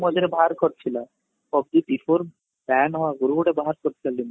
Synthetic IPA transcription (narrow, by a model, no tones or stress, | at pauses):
mɔd͡ʒeɾebʱaɾkoɾt͡ɕʰila | ɔb̚d̪it̪ifʰoɾ | pɛnɦɔwaɡuɾuuɽebaɦaɾkoɾt͡ɕʰilalin